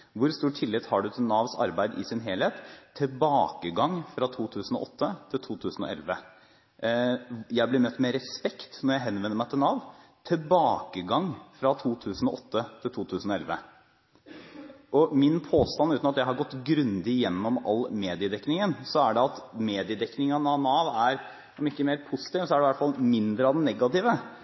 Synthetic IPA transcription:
ʋʊɾst̪uːʈʰɪlːɪt̪hɑɖʉt̪ʰɪlnɑːʋsɑ̰ɾbæɪd̪ɪsɪnɦeːlheːt̪ʰːɪlbɑːkəɡɑŋfɾɑt̪ʰuːt̪ʰʉːsn̩ɔ̰ʔɔt̪ːət̪ʰɪlt̪ʰuːt̪ʰʉːsnɔ̰ʔɛ̰lʋə | jæɪblɪɾmœt̪ːmɛɾɛspɛkt̪nɔɾjæɪɦɛnːʋɛnːəɾmæɪt̪ʰɪlnɑːʋt̪ʰɪlbɑːkəɡɑŋfɾɑt̪ʰuːt̪ʰʉːsnɔʔɔt̪ʰːət̪ʰɪlt̪ʰuːt̪ʰʉːsn̩ɔɛ̰lʋə | ʔɔmɪnpʰoːst̪ɑnːʉːt̪nɑt̪jæɪɦɑɾɡɔt̪ːɡɾʉnd̪ɪjɛnːɔmɑ̰lːmeːd̪ɪəd̪ɛknɪŋənsɔæɖɛɑt̪meːd̪ɪəd̪ɛknɪŋɑnɑnɑːʋæɾ | ɔmɪkːəmeːɾpʰʊsɪ̥t̪ɪːʋsɔæɖɛʋæʈfɑlmɪnd̪ɾəɑʋd̪ɛnːɛɡɑt̪ɪːʋə

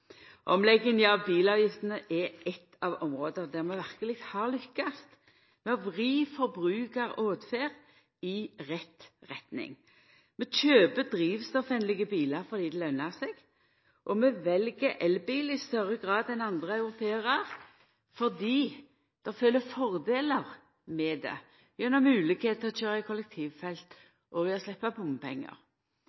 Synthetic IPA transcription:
ʔɔmlɛɡːənəɑʋbiːlɑːʋjɪft̪ənəʔɛɛt̪ːɑʋɔmʁoːd̪əʁd̪æʁmɛʋæʁkəlɪkhɑʁlʏkːɑst̪ | mɛɑʋʁiːfɔɾbʁʉːkəʁoːd̪feːʁ | ɪʁɛt̪ʁɛt̪nɪ̰ŋ | mɛt͡ʃøːbəd̪ɾiːʋst̪ɔfɛnlɪɡəbiːləɾfɔʁd̪iːd̪ɛlœnːəʁsɛɡ̥ | ʔɔmɛʋɛlɡəɾʔɛlbiːlɪst̪œʁəɡʁɑːd̪ɛnɑnd̪ʁəɑʉʁʊt̪ʰeːʁɑʁ | fɔʁd̪iː | d̪̥ɑfølːəfɔʁd̪eːləʁ | mɛd̪ɛ̰ | jɛnːɔmʉːlɪkheːt̪̚ʰɔt͡ʃøːʁɑɪkʰɔlɛk̚t̪ʰiːʋfɛlt̪ | ʔɔɪɔslɛpːɑbʊmpʰɛ̰ŋːə̰ʁ

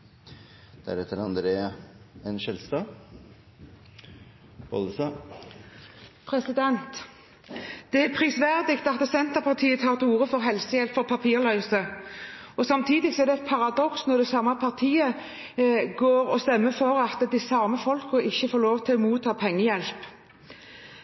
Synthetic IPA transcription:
d̪̥æ̰ɾɛt̪ʰːəɾɑnd̪ɾeːɑɛnʃɛlst̪ɑː | b̥ɔ̰ləsɑ | pʰʁɛsɪd̪ɛnt̪ | d̪̥ɛæpʰʁisʋæʁd̪ɪkt̪ɑt̪̚d̪ɛsɛnt̪əʁpʰɑʁt̪ʰiːət̪ʰɑːʁt̪uːʁəfɔʁɦɛlsəjɛlpfɔʁpʰɑpʰiːʁlœʏsə | ɔsɑmt̪ʰiːd̪ɪɡsɔɛʁd̪ɛpʰɑʁɑd̪ɔksnɔʁd̪ɛsɑːmɑpʰɑʁt̪ʰiːə | ɡoːɾɔst̪ɛmːəfɔɾɑt̪d̪ɪsɑːməfɔlkəʔɪçːəfoːʁloːʋt̪ʰɪɔmuːt̪ʰːɑːpʰɛŋːəjɛlp

